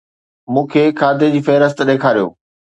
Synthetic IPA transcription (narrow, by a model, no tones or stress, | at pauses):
mũːkʰekʰaːd̪ed͡ʑiːfɐɦɾəs̬t̪ɗeːkʰaːɾijo̰ː